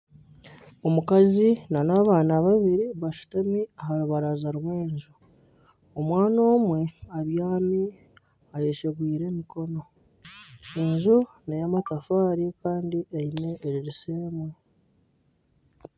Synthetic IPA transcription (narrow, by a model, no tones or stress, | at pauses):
o̞mukazinanaːβaːnaβaβiɾiβaʃu̥tamiaɦaɾuβaɾazaɾweːnʒu | omwaːno̞ːmwe̞aβjaːmi | ajeʃeβwiːɾe̞miko̞no̞ | enʒu | nejamatafaːɾikaːndiʔeine̞ːɾiɾiseːmwe